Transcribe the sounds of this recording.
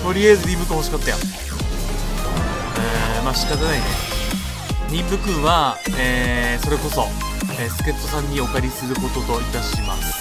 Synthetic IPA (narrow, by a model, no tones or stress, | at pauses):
t̪o̞ɾʲiaezɨɾʲĩmbɯ̟kɯ̟moɕikat̪ːaja̰ | eːmaɕi̥kat̪̬anaine̞̰ | ɲʲĩmbɯ̟kɯ̟̃ɰ̃βaeːso̞ɾe̞ko̞so̞ | eːsɨ̥ke̞t̪ːo̞sãɲ̟ːio̞kaɾʲisɨɾɯ̟ko̞t̪o̞t̪o̞it̪aɕimasɨ̥